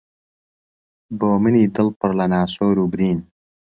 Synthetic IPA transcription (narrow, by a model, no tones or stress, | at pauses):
boːmɨniːd̪ɨlpɨɾlɐnaːsoːɾuːbɾiːn